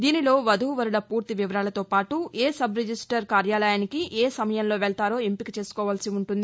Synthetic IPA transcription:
d̪iːnilo̞ːʋɐd̪ʱuːʋɐɾulɐpuːɾt̪iʋiʋɐɾaːlɐt̪o̞ːpaːʈueːsɐbɾed͡ʒisʈɐɾkaːɾjaːlɐjaːnikiʔeːsɐmɐjɐmlo̞ːʋɛɭt̪aːɾo̞ːempikit͡ʃe̞ːsu̥kɔːʋaːlsiuɳʈund̪i

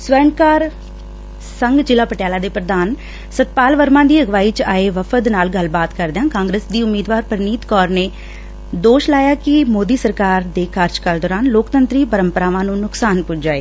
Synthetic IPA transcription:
sʋəɾəɳkaːɾ | səŋɡt͡ʃɪlaːpəʈjaːlaːd̪eːpɾəd̪aːn | sət̪̚paːlʋəɾmãːd̪iːəɡʋaːiːt͡ʃaːeːʋəfʰəd̪naːlɡəlbaːt̪kəɾd̪eãːkãːŋɡɾeːsd̪iːʊmːiːd̪ʋaːɾpəɾniːt̪kɔːɾneː | d̪oːʃlaːjaːkɪmoːd̪iːsəɾkaːɾd̪eːkaːɾd͡ʒkəld̪ɔːɾaːnloːkt̪ənt̪ɾiːpəɾəmpəɾaːʋãːnũːnʊksaːnpʊt͡ʃd͡ʒaːḛː

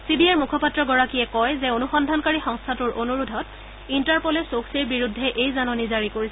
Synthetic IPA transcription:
sibiaɹmukʰɔpatɹɔɡɔɹakiɛkɔjzɛonuxɔndʱankaɹixɔŋstʰatuɹʔonuɹudʱɔt | intaɹpɔlɛsoksiɹbiɹudʱːɛʔejzanɔnizaɹikoɹisɛ

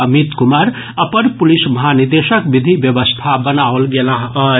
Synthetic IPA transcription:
əmit̪kumaɾ | əpəɾpulisməɦaniɾd̪esəkbid̪ʱibjebəst̪ʰabənaolɡelaɦə

